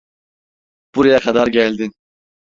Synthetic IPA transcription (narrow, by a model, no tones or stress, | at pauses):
b̥uɾijakʰad̪aɾɡɟælʲd̪in